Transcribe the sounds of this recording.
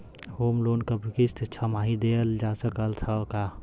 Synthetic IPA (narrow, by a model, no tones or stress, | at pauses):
hoːmloːnkəbʱikist̪ʰt͡ʃʰəmaɦid̪eld͡ʒasəkəlt̪ʰəka